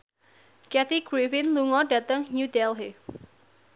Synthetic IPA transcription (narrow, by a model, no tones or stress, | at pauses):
kɛt̪iɡɾifɪnluŋɔɖat̪əŋɲudɛlɦe